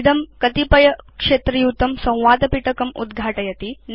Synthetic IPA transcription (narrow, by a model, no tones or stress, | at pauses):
d̪ʱɐmkɐt̪ipɐjɐkʂeːt̪ɾɐjuːt̪ɐmsɐ̃w̃ʋaːd̪ɐpiʈɐkɐmṵd̪ɡʱaːʈɐjɐt̪in